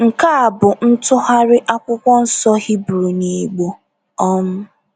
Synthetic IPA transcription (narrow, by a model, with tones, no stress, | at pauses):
ŋ̩˨ka˦a˨bʊ˨n̩˦tʊ˦ɦa˦ɾɪ˦ʔa˦kʷʊ˦kʷɔ˦n̩˦sɔ˦hi˦bɾu˨ni˨ɡ͡bo˦ | ɔ˦mʊ˦